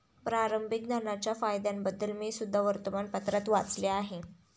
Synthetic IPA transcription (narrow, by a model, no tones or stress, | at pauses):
pɾaɾəmbʱik̚d̪anat͡ɕjafajd̪jambəd̪ːəlmisud̪ʱːaʋəɾt̪əmanpət̪ɾat̪ʋat͡sleaɦe